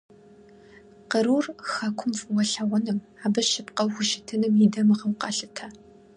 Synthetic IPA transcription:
qəɾuːrxakʷʰʊmfwɐɬɐʁʷɔnɨm | aːbɨʃɪpqɐwxʷʊʃɪtʰɨnɨmjidɐmɨʁɐwqɑɬɨtʰa

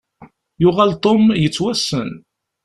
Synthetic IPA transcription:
jʊʁalt̪ˤomjət͡sːwæsːən

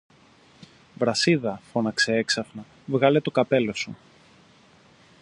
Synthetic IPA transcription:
vɾɐsiðɐfo̞nɐkse̞eksɐfnɐ | vɣɐle̞t̪o̞kɐpe̞lo̞su

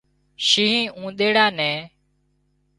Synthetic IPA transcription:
ʃiːɦĩːʔũːɗ̪eːɽaːnɛ̃ː

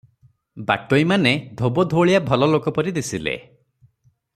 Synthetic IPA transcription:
ba̰ʈojmaned̪ʱobɔd̪ʱoɭijabʱɔlɔlokɔpɔɾid̪isilḛ

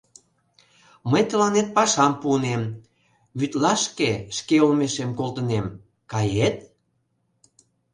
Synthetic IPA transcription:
məjt̪əlɑnet̪̚pɑʃɑmpuənem | βyt̪lɑʃkeʃkeolmeʃemkolt̪ənem | kɑjet̪̚

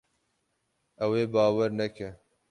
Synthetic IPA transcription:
ɐweːbɑːwɐɾnɐkʰe

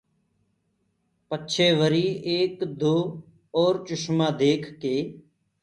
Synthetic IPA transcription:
pətːʃʰeːʋəɾiːeːkd̪oː | ɔːɾt͡ʃʊʃmãːd̪eːkʰkeː

